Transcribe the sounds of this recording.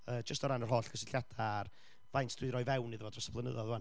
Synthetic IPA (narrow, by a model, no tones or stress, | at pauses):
əːd͡ʒəstɔɾanərɦoːɬkʰəsɪɬjad̥ar | vajntʰd̥wɨɾɔjvɛwniðəvɔdrɔsḁpʰlˠənə̰ðɔðuan